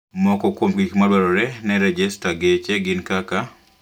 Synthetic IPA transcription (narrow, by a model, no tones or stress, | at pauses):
mɔkɔkomɡikmalwaɾɔɾɛnɛɾɛd͡ʒɛstaɡet͡ʃeɡɪnkaka